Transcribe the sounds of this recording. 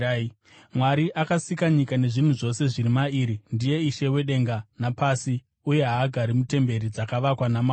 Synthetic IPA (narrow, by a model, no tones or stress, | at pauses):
mwaɾiʔakasikaɲikane̞ʐin̤uʐo̞se̞ʐiɾimaiːɾindije̞iʃe̞we̞ɗe̞ŋɡanapasi | uje̞ɦaːɡʱaɾimute̞mbe̞ɾid͡zakaʋakwanama